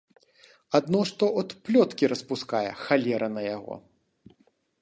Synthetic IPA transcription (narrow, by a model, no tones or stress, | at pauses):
ad̪nɔʂt̪ɔʔɔt̪plʲɔt̪kʲiɾɐspuskajɛ̰xalʲɛɾʔɐnɐjaɣɔ̰